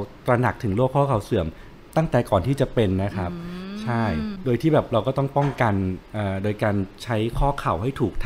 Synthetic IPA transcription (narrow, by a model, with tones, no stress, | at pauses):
t̪ɾa˧na˨˩k̚t̪ʰɯ˨˩˦ŋloː˥˩kʰːɔː˥˩kʰa˨˩˦wsɯ˨˩˦m | t̪a˥˩ŋt̪ɛː˨˩kɔː˨˩nt̪ʰiː˥˩t͡ɕa˨˩pe˧nːa˦˥kʰɾa˦˥p̚t͡ɕʰa˥˩jdoː˧jt̪ʰiː˥˩bɛː˨˩p̚ɾa˧wkɔː˥˩t̪ɔ˥˩ŋpɔ˥˩ŋka˧nʔɤː˨˩doː˧jkaː˧nt͡ɕʰa˦˥jkʰɔː˥˩kʰa˨˩wɦa˥˩jt̪ʰuː˨˩k̚t̪ʰ